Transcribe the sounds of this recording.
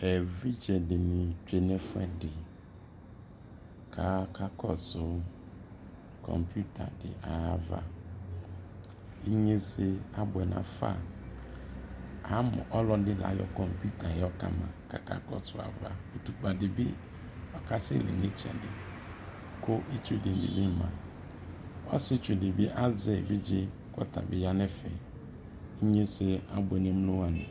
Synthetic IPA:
ɛ˨vi˦d͡ʒɛ˨dɪ˨nɪ̃˨t͡ʃᶣe˨nɛ˦fʊ˦ɛ˦dɪ˨ | kʰa˨˦kʰa˦kɔ˦sʊ˦ | kʰɔ̰˨mpju˦tʰa˨dɪ̰˨ʔa˨va̰˦ | i˦ɲẽ˦sɪ˦a˨bʊ˨ɛ˨nã̰˨fa̰˦˨ | a˨˦mɔ̰̃˨ʔɔ˦lɔ˦dɪ˦la̰˨jɔ̰˦kɔ˨mpu˦tʰa˨jɔ˦ka̰˨mã̰˨ka̰˨ka̰˦kɔ˦sʊ˨a̰˨va˦o˨tu˨k͡pa˨dɪ˨bɪ˦ | ɔ˨ka˦sɪ̰˦lɪ̰˨ne˦t͡ʃa̰˨dɪ˨ | ko˦ʔi˦t͡ʃu˦dɪ˨ndɪ̰˨bɪ˦˨mã˨ | ɔ˦sɪ˦t͡ʃu˨dɪ˨bɪ˦ʔa˦zɛ˨vi˦d͡ʒɪ˦ | kɔ̰˦t̪a̰˨bɪ˨ja˦nɛ˦fɛ̰˨ | i˦ɲe˦sɪ˦a˨bʊ˨ɛ˨nɛ˦m˦lo˦wa˨nɪ̰̃˨

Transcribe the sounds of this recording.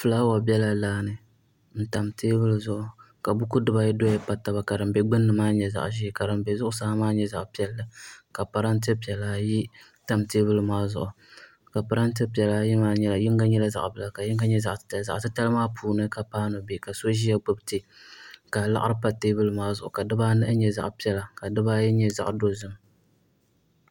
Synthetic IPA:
fɨ˨la˦wa˨bɛ˦la˦laː˦nɨ˨ | n̩˦ta˨mteː˦bɨ˦lzʊ˦˨ʔʊ˨ | ka˨bʊ˦ku˦dɨ˦ba˦ji˦do˦jɛ˦pa˦ta˦ba˨ka˨dɨ˨mbɛ˦ɡ͡bɨ˦nːɨ˨maː˦ɲɛ˨za̰˨ʔʒi˦˨ka˨dɨ˨mbɛ˨zʊ˦ʔʊ˦saː˦maː˦ɲɛ˦za˨ʔpi˦ɛ˦lːɨ˦ka˨pa˨ɾa˦n˦tɨ˦pi˨ɛ˨laː˨ji˦ | ta˦mteː˦bɨ˦lmaː˦zʊ̰˨ʔʊ˨ | ka˨pa˨ɾa˦nt̬ɨ˦pi˨ɛ˨laː˨ji˦maː˦ɲɛ˦ljɪ˦ŋɡa˦ɲɛ˦la˦za̰˨ʔbɨ˦la˨ka˨jɪ˦ŋɡa˦ɲɛ˦za˨ʔza̰˨ʔtɨ˦ta˦lɨ˦maː˦pʰuː˨nɨ˦ka˨paː˦no˨be˨ka˨so˦ʒi˦ja˦ɡ͡bɨ˦btɪ˦ka˨la̰˦ʔɾɨ˦pa˨teː˦bɨ˦lɨ˦maː˦zʊ˦˨ʔʊ˨ka˨dɨ˦baː˦nɨ˦ʔɨ˦ɲɛ˨za̰˨ʔpi˦ɛ˦la˨ka˨dɨ˦baː˦jɛ˦ɲɛ˦za̰˨ʔdo˦zɨ˦m

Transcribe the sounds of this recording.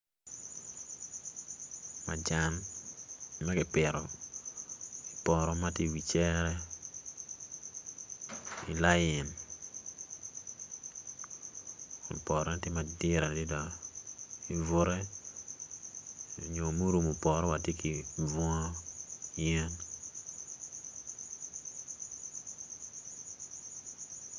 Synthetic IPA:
ma̰˨d͡ʒa˨n | mɛ˦kɪ˨pɪ˨ɾɔ˨ | i˨pɔ˨ɾɔ˦ma˦tje˦˨wi˨t͡ʃɛ˦ɾɛ˦ | i˨la˦jɪ˨n | o̰˨pɔ˨ɾɔ˦ti˦ma˨dɪ˦ɾa˨di˦dɔ˨ | i˨vʊ˦ɾɛ˦˨ | ɲo˨mu˦ɾu˨mo˨pɔ˨ɾɔ˦wa˨te˦ki˨vɔ˦jɛ˦n

